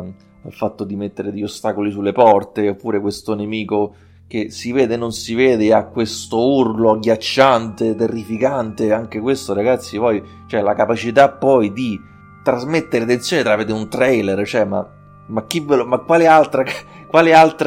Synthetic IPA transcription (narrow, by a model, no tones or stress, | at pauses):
a̰lfat̪ːod̪imet̪ːeɾed̪eʎːost̪akolisulːepɔrt̪eopːuːɾekwest̪onemiːko | k̟esiveːd̪enonsiveːd̪eakːwest̪ourloaɡjat͡ʃːant̪et̪erːifikant̪eaŋk̟ekwest̪oɾaɡat̪sːipɔj | t͡ʃoɛlakapat͡ʃit̪apːɔjd̪i | t̪ɾazmet̪ːeɾeat̪ent̪sjoːnet̪ɾaved̪eunt̪ɾɛjlert͡ʃoɛma̰ | mak̟ːivːelomakːwaːlealt̪ɾa | kwaːlealt̪ɾ